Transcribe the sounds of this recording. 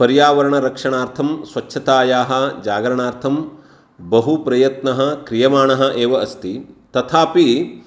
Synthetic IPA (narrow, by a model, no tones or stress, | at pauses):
pɐɾjaːʋɐɾɐɳɐɾɐkʂɐɳaːɾt̪ʰɐmsʋɐtːʃʰɐt̪aːjaːɦɐ̆d͡ʒaːɡɐɾɐɳaːɾt̪ʰɐm | bɐɦupɾɐjɐt̪nɐɦɐ̆kɾijɐmaːɳɐɦɐ̆ʔeːʋɐɐst̪it̪ɐt̪ʰaːpi